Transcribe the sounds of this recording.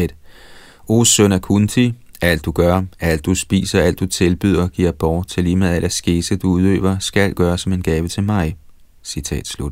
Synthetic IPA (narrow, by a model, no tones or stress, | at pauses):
ed̥ | o̝ːsønækʰunt͡sʰiæl̰d̥ːuɡ̥ɶɐæl̰d̥ːusb̥ḭːsɐæl̰d̥ut͡sʰe̝lb̥yð̰ˠɐɡ̥iɐ̰b̥ɒʊt͡sʰe̝liːmeðˠæl̰æsɡ̥e̝səd̥uuð̞ˠø̰ːʋɐsɡ̥ælɡ̥ɶːɐsɒ̽me̝nɡ̥ɛːʋət͡sʰe̝lmɑ̈ɪ | sit͡sʰɛ̰ːd̥slud̥